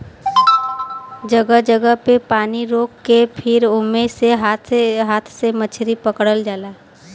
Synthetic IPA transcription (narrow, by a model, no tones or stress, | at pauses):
d͡ʒəɡəɦd͡ʒəɡəɦpepaːniɾoːkːepʰɪɾʊmːeseɦaːt̪ʰɦaːt̪ʰsemət͡ʃʰɾipəkɽəld͡ʒaːlaː